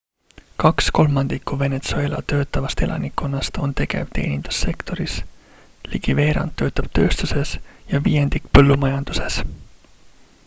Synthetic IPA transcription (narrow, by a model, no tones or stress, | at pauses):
kɑksko̞lmɑnd̪̥ikːuve̞ne̞t̪sue̞lɑ̰t̪ø̞ːt̪ːˑɑvɑst̪e̞lʔɑ̰nikːo̞nːɑst̪o̞nt̪e̞ɡ̥e̞̰vt̪e̞ːnʲind̪̥u̥sːe̞kt̪o̞ɾis | liɡ̥ive̞ːɾɑ̰nt̪ːø̞ːt̪ːˑɑb̥̚t̪ø̞̰ːst̪use̞sjɑviːjend̪̥ikpɤlːumɑjɑnd̪̥use̞s